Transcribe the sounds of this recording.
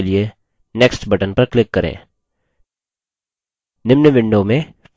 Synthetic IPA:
lie | nɛksʈbɐʈənpɐɾklɪkːɐɾḛ̃ː | nɪmnəʋɪ̃ɳɖomẽ

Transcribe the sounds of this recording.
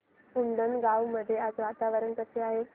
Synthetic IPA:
und̪ənɡawməd̪ʱjead͡zʋat̪aʋəɾənk̪əseaɦe

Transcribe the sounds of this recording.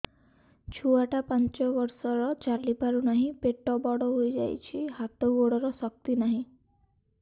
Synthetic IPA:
t͡ʃʰuaʈapant͡ʃɔbɔɾsɔɾɔt͡ʃaɾlipaɾunaɦĩpeʈɔbɔɽɔɦojd͡ʒa̰jt͡ʃʰiɦat̪ɔɡoɽɔɾɔsɔk̚t̪inaɦĩ

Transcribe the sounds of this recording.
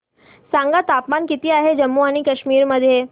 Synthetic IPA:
sãŋɡat̪apmankit̪iːaɦed͡ʑəmːuaɽ̃ikəɕmiːɾməd̪ʱːje

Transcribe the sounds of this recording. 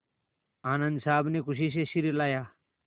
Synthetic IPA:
aːnɐ̃nd̪saːbnekʰʊɕ̬iːɕ̬eɕiɾilaːja

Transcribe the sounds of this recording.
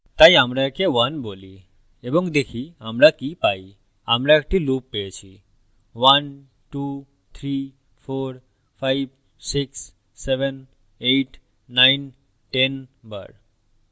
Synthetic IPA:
t̪ajamɾaekeʋanboːli | ebɔŋkd̪ekʰiamɾakipai | amɾaek̚ʈiluːpːet͡ʃʰi | ʋan | ʈu | t̪ʰɾi | pʰoɾ | pʰajb | siksː | eʋɛn | eʈː | aɪn | ʈenbə̰ɾ

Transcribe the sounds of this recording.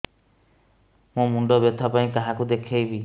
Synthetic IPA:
mũmuɳɖɔbet̪ʰɔpaĩkaɦakud̪ekʰejbi

